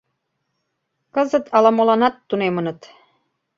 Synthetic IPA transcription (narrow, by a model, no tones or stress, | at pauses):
kɤ̆zə̆t̪ʰɑlɑmolɑnɑt̪ːunemə̆nə̆t̪